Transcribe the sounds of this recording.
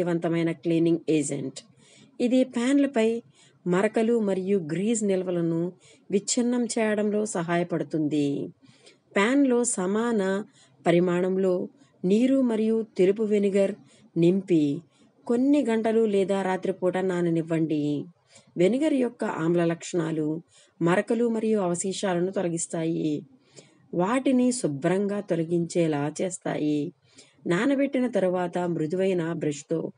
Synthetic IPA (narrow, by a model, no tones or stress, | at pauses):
iʋɐnt̪ɐmɐjnɐkliːniŋɡeːd͡ʒḛɳʈ | id̪ipaːnlɐpɐj | mɐɾɐkɐlumɐɾijuɡɾiːznilɐʋɐlɐnu | ʋit͡ʃːɐɾnɐmt͡ʃɛːjɐɽɐmlo̞ːsɐɦaːjɐpɐɽut̪und̪i | paːnlo̞ːsɐmaːnɐ | pɐɾimaːɳɐmlo̞ː | niːɾumɐɾijut̪elup̬uʋeniɡɐɾ | nimpi | konːiɡɐɳʈɐlulɛːd̪aːɾaːt̪ɾipuːʈɐnːaːniniʋːɐɳɖi | ʋe̞niɡɐɾjɔkːɐʔa̰ːmlɐlɐkʂɐɳaːlu | mɐɾɐkɐlumɐɾijuɐʋɐsiːʃaːlɐnut̪ɔlɐɡist̪aːji | ʋaːʈinisubɾɐŋɡaːt̪olɐɡiɲt͡ʃɛːlaːt͡ʃeːst̪a̰ːji | naːnɐpeʈːinɐt̪ɐɾuʋaːt̪ɐmɾud̪ʱiʋɐjnɐbɾeʃt̪o̞ː